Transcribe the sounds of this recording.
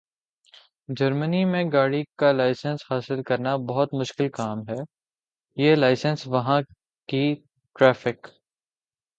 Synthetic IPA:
d͡ʒɐɾmənimẽɡaːɽikalaːɪsə̃nshaːsɪlkɐɾnabɐɦʊt̪mʊʃkɪlkaːmɦɛː | jelaːɪsənsʋɐɦã | ki | ʈɾɛːfɪk

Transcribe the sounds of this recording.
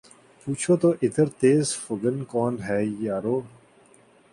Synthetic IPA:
puːt͡ʃʰoːt̪oːʔɪd̪əɾt̪eːzfʊɡənkɔːnɦɛːjaːɾoː

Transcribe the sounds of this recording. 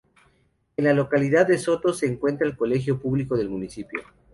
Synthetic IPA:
enlalo̞kaliðaðːeso̞t̪o̞se̞ːŋkwe̞nt̪ɾaelko̞le̞xjo̞puβliko̞ðe̞lmunisipjo̰

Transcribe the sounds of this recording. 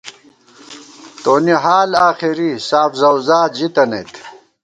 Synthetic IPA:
t̪oːniɦaːlaːxiɾisaːfzɐwzaːd͡ʑit̪ɐnḛt̪

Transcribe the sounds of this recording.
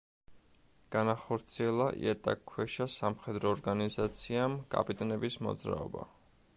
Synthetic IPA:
ɡ̥anaχɔɾt̪sʰiɛlˠaʔḭɛt̪ʼa̰kʰːwɛʃasamχɛd̪ɾɔːɾɡanizat̪sʰiamkʼa̰pʼit̪ʼɛnɛbismɔ̰d̪zɾa̰ɔba̰

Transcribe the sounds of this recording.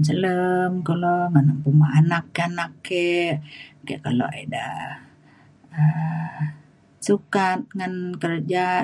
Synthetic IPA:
sələmkoloŋanampumaanakːeanakːe | kḛʔkalo̰ʔḛda̰ | ə | sukat̪̚ŋankərd͡ʒa

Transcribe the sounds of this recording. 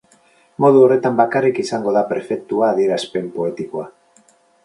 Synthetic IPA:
mo̞ðuo̞re̞t̪ambakarikisaŋɡo̞ðapɾefe̞k̚t̪uaːðie̞ɾaspe̞mpo̞e̞t̪ikoa

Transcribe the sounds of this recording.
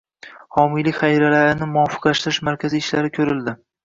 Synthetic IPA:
hɒmɪlɪkʲχajɾalaɾɪnɪmʊɒfɨ̥qlaʃt̪ɪɾɪʃmaɾkʲaziːʃlaɾɪkʲʰɵɾɪld̪ɪ

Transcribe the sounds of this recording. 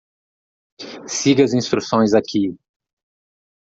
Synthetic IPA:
siɡɐzĩst̪ɾusõj̃zakʲʰi

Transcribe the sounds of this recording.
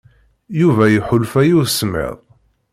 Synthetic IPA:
juvæjuħʊlfæjuðsmɪ̰ðˤ

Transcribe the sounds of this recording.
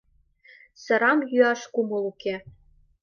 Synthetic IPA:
sɤ̆ɾɑmjyɑʃkumɤ̆luke

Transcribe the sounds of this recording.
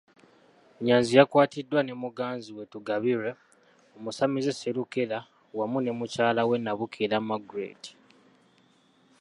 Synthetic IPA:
ɲaːnzijakwaːtidːwane̞muɡaːnziwe̞tuɡaβiɾe | omusamizeseɾukela | wamune̞mucaːlawe̞nːaβukʰilamaɡuɾḛːti̥

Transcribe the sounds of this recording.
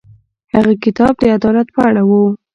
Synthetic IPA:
haɣakɪt̪ɑb̚d̪əad̪ɑlat̪pəaɽawu

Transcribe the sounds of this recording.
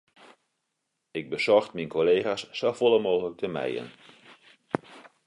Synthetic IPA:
ɪɡ̚bəz̥ɔrxtminkʰoleːχasːofolˠəmoːɣələk̚tʰəmɛ̰jə̰n

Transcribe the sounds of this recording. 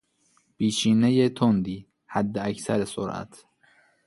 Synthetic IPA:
pʰiːt͡ʃiːnejet̪ʰond̪iː | hæd̪ːeæcʰsæɾeso̰ɾʔæ̰t̪ʰ

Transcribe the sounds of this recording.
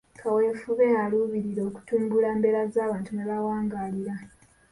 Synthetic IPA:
kʰawe̞fuβealuːβiɾiɾo̞ːku̥tuːmbulaːmbe̞ɾazaːβaːntuneβawaːŋɡaliɾa

